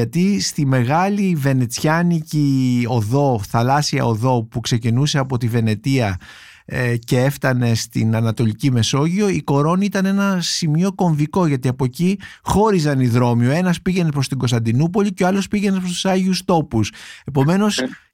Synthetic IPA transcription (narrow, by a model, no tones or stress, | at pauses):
ɐt̪ist̪ime̞ɣɐlive̞net͡sçɐnicio̞ðo̞θɐlɐsiɐ̰o̞ðo̞pukse̞cinuse̞ɐpo̞t̪ive̞ne̞t̪iɐ | ce̞e̞ft̪ɐne̞st̪ḭnɐnɐt̪o̞licime̞so̞ʝio̞iko̞ɾo̞niit̪ɐne̞nɐsimio̞ko̞ɱviko̞ʝɐt̪iɐpo̞cixo̞ɾizɐniðɾo̞mio̞e̞nɐspiʝe̞nepɾost̪iɡo̞st̪ɐnd̪inupo̞liceo̞ɐlo̞spiʝe̞ne̞spɾost̪u̥sɐʝiust̪o̞puse̞po̞me̞no̞s